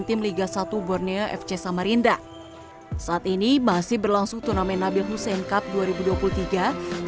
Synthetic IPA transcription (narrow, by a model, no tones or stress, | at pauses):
nt̪ɪmliɡasat̪ubɔrniəʔɛ̰ft͡ʃɛsamaɾind̪a | saʔːt̪inimasɪhbərlaŋsʊŋt̪unamɛnabɪlɦusɛnkap̚duaɾibuduapulut̪iɡa